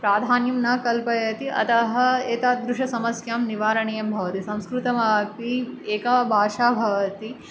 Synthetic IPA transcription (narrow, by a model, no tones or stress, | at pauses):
pɾaːd̪ʱaːnjɐmnɐkɐlpɐjɐt̪iʔɐ̰t̪ɐɦɐeːt̪aːd̪ɾuʂɐsɐmɐsjaːmniʋaːɾɐɳijɐmbʱɐʋɐt̪isɐ̃w̃skɾut̪ɐmɐpieːkaːbʱaːʃaːbʱɐʋɐt̪i